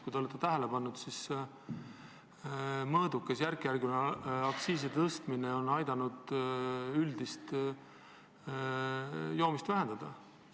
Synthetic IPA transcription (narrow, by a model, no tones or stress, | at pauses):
kujd̪eolet̪ːet̪æɦe̞lepɑnːud̪̥sis | mɤːd̪̥ukːˑesjærkjærɡonɑksiːs̬et̪ɤst̪mineo̞nɑjd̪̥ɑnud̪̥ | yld̪̥ist̪ | jo̞ːmist̪væɦend̪ɑd̪̥ɑ